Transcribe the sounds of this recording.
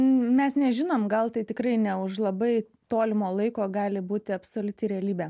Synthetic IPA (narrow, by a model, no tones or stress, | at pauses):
mʲɛsnʲɛʒʲɪnoːmɡɐlˠt̪ɐɪt̪ʲɪkɾɐɪnʲɛʊʃlˠɐbɐɪ | t̪oːlʲɪmoːlˠɐɪkoːɡɑːlʲɪbuːt̪ʲɪɐpsoːlʲʊt̪ʲɪɾʲɛɐlʲiːbʲæː